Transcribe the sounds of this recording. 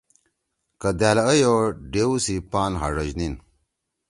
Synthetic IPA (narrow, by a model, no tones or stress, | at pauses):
kəd̪aːlɐəjoɖewsipaːnɦa̰ʐɐʑnin